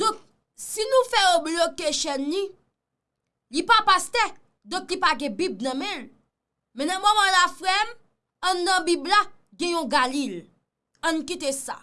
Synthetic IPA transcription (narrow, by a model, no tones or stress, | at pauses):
d̪ɔ̃k̚ | sinũfɛoblokeʃɛnli | lipapast̪ɛ | d̪ɔ̃klipaɡɛ̃bib̚nɐ̃mɛ̃l | mɛ̃nɐ̃mɔmãlafɣɛm | ɐ̃nd̪ɐ̃bibla | ɡɛ̃jɔ̃ɡalil | ɐ̃nukit̪esa̰